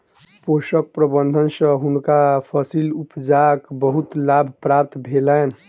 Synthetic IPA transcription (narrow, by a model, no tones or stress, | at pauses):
posək̚pɾəbənd̪ʱənsə̃ɦunkapʰəsilupd͡ʒakbəɦut̪labʱpɾap̚t̪bʱelɛn